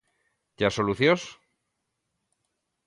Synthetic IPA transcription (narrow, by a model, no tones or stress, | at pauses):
d͡ʑasoluθjos